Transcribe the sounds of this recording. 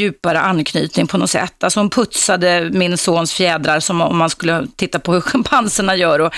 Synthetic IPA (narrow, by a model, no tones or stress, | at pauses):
ʉ̟ːpaɾə̰ʔanːkʰnyːt̪nɪŋpʰɔnɔt̪sɛ̰t̪ːalsɔhʊnpʰɵt̪sad̪əmɪnsoːnsfjɛːd̪ɾaɾsɔmɔ̰mːanskɵlːət̪ʰɪt̪ːapʰɔhɵɧampʰansəɳajœːɾɔ